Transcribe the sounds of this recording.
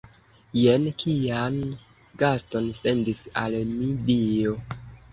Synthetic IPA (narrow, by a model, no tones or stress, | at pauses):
jenkʰian | ɡasto̞nse̞ndisa̰lmidio̞